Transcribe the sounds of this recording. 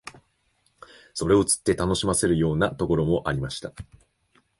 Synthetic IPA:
so̞ɾe̞o̞t͡sɨ̥t̪ːe̞t̪ano̞ɕimase̞ɾɯ̟jo̞ːnat̪o̞ko̞ɾo̞mo̞ʔaɾʲimaɕi̥t̪a

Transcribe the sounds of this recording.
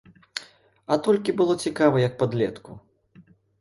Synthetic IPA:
at̪ɔlʲkʲibɨlˠɔt͡sʲikavɐjɐk̚pad̪lʲɛt̪kṵ

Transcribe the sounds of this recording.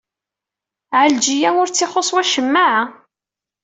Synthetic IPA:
ʕəld͡ʒijæʊɾt͡sːɪχosˤwæʃəmːaʕa

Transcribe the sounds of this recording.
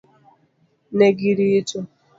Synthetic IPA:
neɡiɾitu

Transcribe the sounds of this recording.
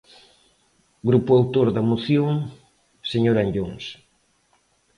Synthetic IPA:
ɡɾupʊawt̪oɾðɐmoθjoŋ | seɲoɾanʎoŋs

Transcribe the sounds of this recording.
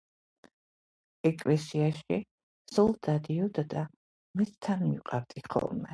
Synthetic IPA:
ɛkʼlɛsiaʃi | sɔlˠd̪̥ad̪iɔd̪ad̪a | mɛst̪ʰanmiqʼaɾd̪ʼiχɔ̰lˠmɛ

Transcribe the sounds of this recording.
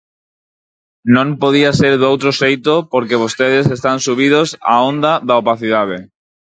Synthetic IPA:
nõmpoð̞iaseɾðowt̪ɾosejt̪opoɾkeβ̞ost̪eð̞esest̪ansuβ̞ið̞osa̰õnd̪aðaopaθiðað̞e

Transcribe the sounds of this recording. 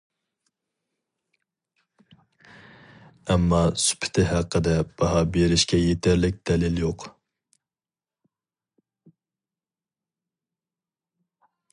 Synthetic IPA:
ɛmːɑsy̥pʰɪ̥t̪ʰɪɦæqʰːəd̪ɛb̥ɑɦɑbeɾɪʃkʲɛjet̪ʰæɾlɪk̚ʲd̪̥ɛlɪljoq

